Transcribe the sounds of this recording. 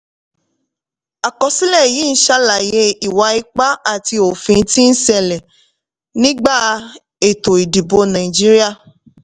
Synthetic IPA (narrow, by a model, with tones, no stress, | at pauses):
a˨kɔ˨si˦lɛ˦˨ji˨˦n̩˦ʃa˦la˨je˧i˨wa˨˦i˦k͡pa˦a˦˨ti˧o˨fĩ˧˦ti˦n̩˦sɛ˦˧lɛ˨ | nĩ˦ɡ͡ba˦˨ | e˨to˨i˨di˨bo˧˦nã˨i˨d͡ʒi˦ɾi˦a˦˨